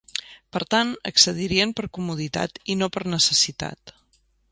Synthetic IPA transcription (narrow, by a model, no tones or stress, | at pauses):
pəɾt̪anə̰ksəð̞iɾiənpəɾkumuð̞it̪a̰t̪inopəɾnəsəsit̪a̰t̪